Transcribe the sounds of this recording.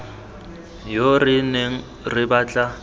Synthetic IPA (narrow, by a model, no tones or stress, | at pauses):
jorɪneŋ̩ | rɪbaːt͡ɬʼa